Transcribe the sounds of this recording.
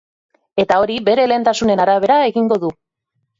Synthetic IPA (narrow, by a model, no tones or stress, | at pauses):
e̞t̪ao̞ɾibe̞ɾe̞le̞ːnt̪asune̞naɾaβ̞e̞ɾae̞ɣiŋɡo̞ðu